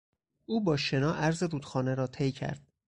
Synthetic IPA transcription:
ʔuːbɒːʃe̞nɒːʔæɾzeɾuːd̪̥xɒːneɾɒːt̪ʰejcʰæ̰ɾd̪̥̚

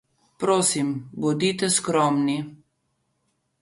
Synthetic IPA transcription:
pɾoːsimbɔd̪it̪ɛskɾɔːmni

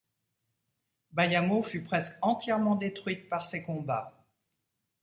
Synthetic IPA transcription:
bajamofypχɛskɑ̃t̪jɛʁmɑ̃d̪et̪χɥit̪̚paʁsekɔ̃ba

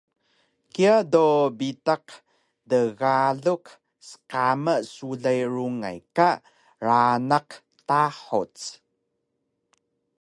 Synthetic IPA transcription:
kiadobitaq | dəɣaɮuk | sə̥qaməsuɮajɾuŋa̰jka | ɾanaq | taħṵt͡s

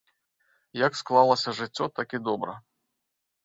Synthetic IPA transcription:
jɐksklˠalˠɐsʲɐʐɨt͡sʲːɔt̪akid̪ɔbɾɐ̰

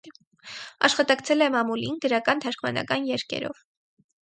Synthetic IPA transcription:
ɑʃχɑt̪ɑkt͡sʰɛlɛmɑmulinɡəɾɑkɑnt̪ʰɑɾkʰmɑ̰nɑ̰kɑnjɛɾkɛ̰ɾɔ̰v

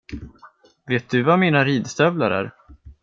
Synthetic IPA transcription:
veːt̪̚d̪ɵvamiːnaɾiːd̪st̪œvla̰ɾæ̰ːɾ

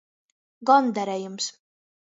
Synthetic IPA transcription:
ɡɑnd̪æɾɛjəms

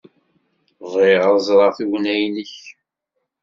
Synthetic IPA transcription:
ðˤiʁəɾˤzˤɾˤɑʁθiwnæjnəç

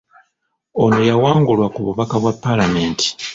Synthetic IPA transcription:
onojawaːŋɡulwakuβuβakaβwapːalame̞ːnti̥

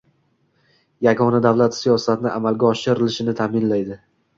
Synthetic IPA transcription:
jaɡɒnad̪avlat̪sijɒsat̪ʰɪnɪʔamalɡʲaɒʃɪɾɪlɪʃɪnɪt̪ʰaːmɪnlajd̪ɪ

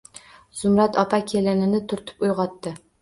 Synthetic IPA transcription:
z̥ʊmɾat̪ʰɒpʰakʲʰelɪnɪnɪt̪ʰʊɾt̪ʰɪ̥pʊjʁɒt̪ːɪ

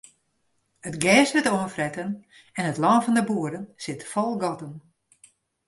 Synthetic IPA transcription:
ətɡɛːsʋɪtoənfrɛtən | ɛnətlɔnfɔndəbuəɾənsɪtfɔlˠɡɔtən

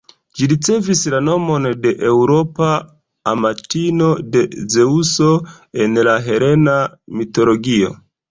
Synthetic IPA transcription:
d͡ʒiɾit͡se̞vislano̞mo̞nde̞ʔewɾo̞paː | matino̞de̞ze̞uso̞ | e̞nlaɦe̞ɾe̞namito̞lo̞ɡio̞̰

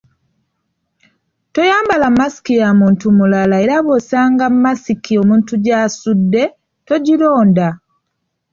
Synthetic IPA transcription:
to̞jaːmbalamːasi̥kijamuːntumulalaeɾaβosaːŋɡammːasikʰio̞muːntuɟaːsudːe̞ | to̞ɟilo̞ːnda

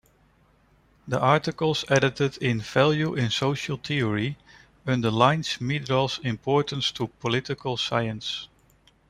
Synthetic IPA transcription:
ðiʔɑɹtɪkəlˠzɛɾɪtɪdɪ̃nvælˠjuʔɪ̃nsoʊʃəlˠt̪ʰiəɹi | ə̃nðəlãɪ̃nsmidɹɔlˠzɪ̃mpʰɔɹtə̃nstʰupʰɔlɪtɪkʰəlˠsaɪə̃ns

